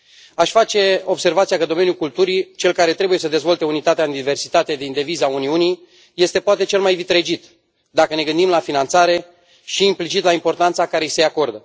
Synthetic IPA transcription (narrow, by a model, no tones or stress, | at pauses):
aʃʲfat͡ʃe̞o̞bse̞rvat̪sijakəd̪o̞me̞njukult̪uɾit͡ʃe̞lkaɾe̞t̪ɾe̞buje̞səd̪e̞zvo̞lt̪e̞unit̪at̪eaɨnd̪ive̞rsi̥t̪at̪ed̪ind̪e̞vizauniuni | je̞st̪e̞poat̪e̞t͡ʃe̞lmajvit̪ɾe̞d͡ʒit̪ | d̪akəne̞ɡɨnd̪imlafinant̪saɾe̞ | ʃiːmplit͡ʃit̪laimpo̞rt̪ant̪sakaɾejse̞ako̞rd̪ə